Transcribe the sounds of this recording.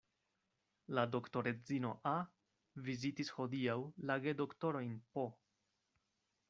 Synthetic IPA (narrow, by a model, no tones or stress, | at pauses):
lado̞kto̞ɾe̞d͡zino̞ʔa | vizitisho̞diawlaɡe̞do̞kto̞ɾo̞jnpo